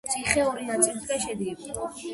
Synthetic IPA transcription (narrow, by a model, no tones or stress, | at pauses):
t̪sʼiχɛuɾinat̪sʼilit̪ʰkɛʃɛd̪ɡɛbɔ